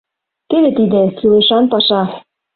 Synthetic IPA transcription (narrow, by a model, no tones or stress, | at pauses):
t̪ed̪ĕt̪id̪ĕsilĕʃɑnpɑʃɑ